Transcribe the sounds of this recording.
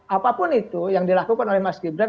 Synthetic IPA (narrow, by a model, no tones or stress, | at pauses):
ʔapapʊnit̪ujaŋdilakukanolɛhmaskibɾan